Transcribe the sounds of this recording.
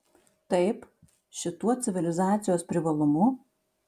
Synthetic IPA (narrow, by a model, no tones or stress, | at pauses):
t̪ɐɪp | ʃʲɪt̪uɔt̪sʲɪʋʲɪlʲɪzɑːt̪sʲɪjoːspʲɾʲɪʋɐlˠʊmʊ